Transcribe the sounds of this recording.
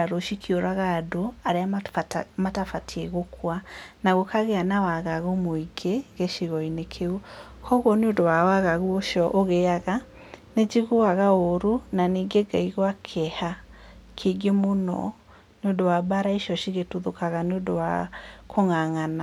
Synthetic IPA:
aɾoʃikʰioɾaɣaːdoaɾea | matafatʰiɛɣokʰwanaɣokaɣeanawaɣaɣomoiɡeɣeʃiɣɔinekʰeu | kʰɔɣwɔneondowawaɣaɣuoʃɔʔoɣeaɣa | ned͡ʒiɣoaɣaoɾunaniɡeɡaiɣwakʰɛha | kʰeɡemonɔ̰ | neondowabaɾaiʃɔʃiɣetuðokaɣaneondowa̰koŋaŋana

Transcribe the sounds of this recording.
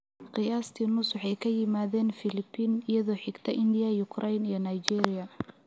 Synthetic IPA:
qɪjaːst̪ʰiːnʊsʊħɛjkʰɐjɪmaːðɛːnfɪlɪpʰːiːnɪjɐðɔːħɪɡt̪ʰɐʔɪnd̪ɪjɐjʊkʰrɛjnijɔnajd͡ʒiːɾɪjɐ

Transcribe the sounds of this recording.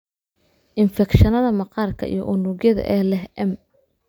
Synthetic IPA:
ʔɪnfɛkʃɐnɐðɐmɑqɑːrkʰɐ̰ʔḭjɔ̰ʔʊnuɣjɐðɐ̰ʔɛːlɛhʔɛm

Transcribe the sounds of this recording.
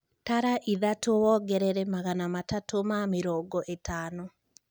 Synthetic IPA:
taɾaʔiðatowɔɡɛɾɛɾɛmaɣanamatatomameɾɔːŋɡɔʔetaːnɔ

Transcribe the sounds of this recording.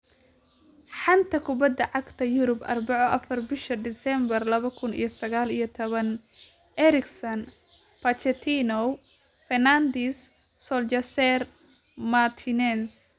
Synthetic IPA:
ħɑnt̪ʰɐkʰʊbɐd̪ːɐʕɑɡt̪ʰɐjʊɾʊbʔɐ̰rbɑʕɔʔɐfɐrbɪʃɐd̪ɪsɛmbɐrlɐβɐkʰʊnḭjɞsɐɣaːlijɞt̪ʰɔβɐn | ʔɛɾɪksɐn | pɐt͡ʃɛt̪ʰinɔ | fɛrnand̪isː | ɔlt͡ʃɐsɛr | mat̪ʰɪnɛns

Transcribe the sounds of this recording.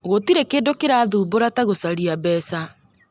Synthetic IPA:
ɣotiɾekeːndokeɾaːðuːboɾataɣosaɾiabɛːsa

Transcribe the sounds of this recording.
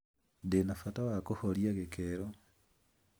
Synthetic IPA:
denafatawakoholjaɣekʰeɾo

